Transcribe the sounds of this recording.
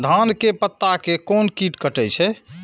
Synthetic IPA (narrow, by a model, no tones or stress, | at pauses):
d̪ʱankepət̪ːakekonkiʈkəʈɛt͡ʃʰɛ